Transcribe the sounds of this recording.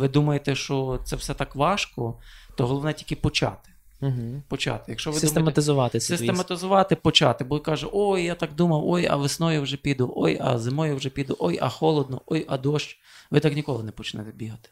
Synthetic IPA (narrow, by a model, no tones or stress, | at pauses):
ʋɪd̪umɐjet̪ɛʃt͡ʃɔt̪sɛwsɛt̪ɑkʋɑʃkɔt̪ɔɦɔlˠɔʋnɛtʲilʲkɪpɔt͡ʃɑ̰t̪ɪ̥ | ɦ̩pɔt͡ʃɑ̰t̪ɪjɐkʃt͡ʃɔʋɪd̪umt̪emɐt̪ɪzʊʋɑt̪ɪsʲɪsemmɐt̪ɪzʊʋɑt̪ɪpɔt͡ʃɑt̪ɪbɔɪkɑʒʊʔojːat̪ɑkd̪umɐwɔjɐ̰ʋɪsnɔjʊwʒɛpʲid̪ʊʔɔjɐ̰zɪmɔjʊwʒɛpʲid̪ʊʔɔjɐ̰xɔlˠɔd̪nɔʔɔjɐd̪ɔʃt͡ʃ | ʋɪt̪ɑknʲikɔlˠɪnɛpɔt͡ʃnɛt̪ɛbʲiɦɐt̪ɪ̥